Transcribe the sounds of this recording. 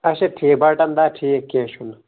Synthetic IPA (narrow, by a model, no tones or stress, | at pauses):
ɐʃetʰiːbɐʈɐnd̪aːʈʰiekeːʃun